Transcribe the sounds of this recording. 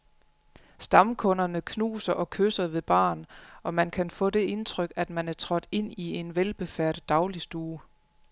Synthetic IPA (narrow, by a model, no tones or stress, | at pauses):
sd̥ɑ̈mkʰɔ̽nɐnəkʰnṵːsɐʔɒ̽kʰøsɐʋe̝b̥ɑ̰̈ːnɒ̽mænkʰænfɔ̰̽ːd̥e̝ʔe̝nt͡sʰʁœɡ̥æd̥mænæɐt͡sʰʁɒ̽d̥e̝n̰ie̝nʋelb̥e̝fæɐ̰ɾ̥̩d̥ɑ̈ʊlisd̥uː